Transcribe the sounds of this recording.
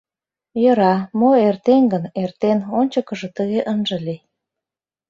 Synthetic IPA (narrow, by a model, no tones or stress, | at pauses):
jə̆ɾɑmoert̪eŋɡənert̪enonʲt͡ɕəkə̆ʒɤ̆t̪əɣeʔənʒə̆li